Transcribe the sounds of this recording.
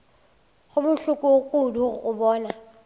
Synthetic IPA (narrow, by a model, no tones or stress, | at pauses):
ɣʊbʊɬʊkʼʊkʼuduɣʊ̰bɔːna